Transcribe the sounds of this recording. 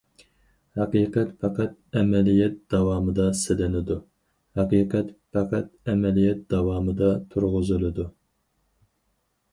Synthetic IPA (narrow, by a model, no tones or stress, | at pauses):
hæqiːqɛt̪fʰɑqʰæt̪̚ɛmɛlijɛt̪̚d̪ɑwɑːmɨd̪ɑsɪlɪnɪd̪u | hæqiːqʰɛt̪pæqʰæt̪̚ɛmɛlijɛt̪̚d̪ɑwɑːmɨd̪ɑt̪ʰuɾʁʊzɨlɨd̪u